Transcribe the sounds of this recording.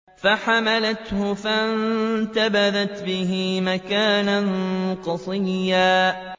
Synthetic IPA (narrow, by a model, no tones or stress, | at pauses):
faħamalat̪hʊfant̪abaðat̪bɪɦɪmakaːnanqɑsˤɨjːaː